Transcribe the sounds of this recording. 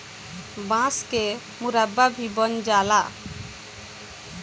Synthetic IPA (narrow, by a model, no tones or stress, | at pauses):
bãske | muɾababʱibənd͡ʒala